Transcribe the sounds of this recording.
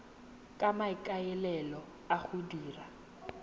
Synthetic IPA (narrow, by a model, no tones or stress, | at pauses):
kʼamaɪkʼaɛlɛlɔ | aχʊdiːra